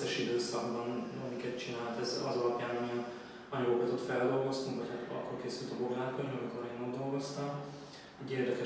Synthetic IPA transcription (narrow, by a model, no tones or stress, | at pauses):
ɛʃid̪øːsɒɡbɒnɒmikɛt̪t͡ʃinaːlt̪ɛzɒ̰zɒlɒpjaːnɒmiɛn | ɒɲɒɡokɒt̪ot̪fɛld̪o̞lɡo̞st̪uŋkʋɒchat̪ɒ̰kːorlkeːsylt̪ɒboɡɾaːlkod̪niɒmiko̞ɾeːnod̪d̪o̞lɡo̞st̪ɒm | ɛɟːeːrd̪ɛkɛ